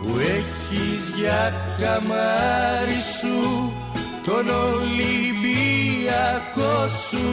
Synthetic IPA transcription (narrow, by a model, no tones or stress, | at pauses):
uekizjakamaɾisu | t̪onolibiakosu